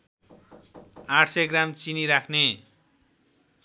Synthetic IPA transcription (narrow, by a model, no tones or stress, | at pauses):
aʈʰseɡramt͡siniɾakʰne